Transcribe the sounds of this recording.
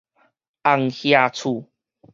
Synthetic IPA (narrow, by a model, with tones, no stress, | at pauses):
a˧ŋhja˧t͡sʰu˧